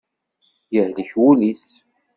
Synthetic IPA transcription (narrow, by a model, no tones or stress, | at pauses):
jəhləçwulis